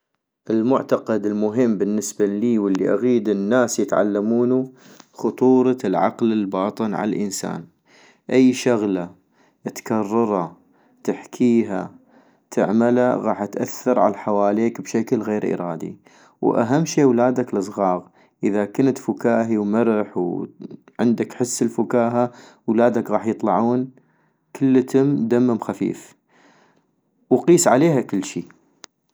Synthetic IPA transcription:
ʔɪlmʊʕt̪aqad̪ɪlmʊɦɪmːbɪnːɪsbaliːwɪlːiʔaɣiːd̪ɪnːaːsjɪt̪ʕa̰lːamuːnu | xʊt̪ˤuːɾˤɑlʕɑ̰qlɪlbɑːt̪ˤɨnʕa̰lalʔənsa̰ːn | ʔajːʃaɣla | ʔt̪kɑrˤːɑɾˤɑ | t̪aħkʰiːɦa | t̪ʰɪʕmalaɣɑːħʔat̪ʔaθːɑɾˤʕa̰laħawaːleːkbʃaklɣeːɾʔɪ̰ɾˤɑːd̪ḭ | wʔa̰ɦamːʃeːwlaːd̪aklɨsˤɣɑːɣ | ʔəðakɪnt̪fʊkaːɦiwmɪɾħw | ʕɪnd̪akħɪsːəlfʊkaːɦawlaːd̪akɣɑːħjɨt̪ˤlɑʕuːn | kʰɪlːət̪ɪmd̪amːɪmxafḭːf | wqiːsʕaleːɦakɪlːʃḭː

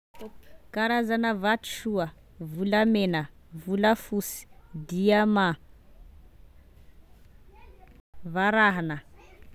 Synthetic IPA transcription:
kaɾazanəvati̥ʃua | vulamenə | vulafusi̥d̪iama | vaɾaɦanə

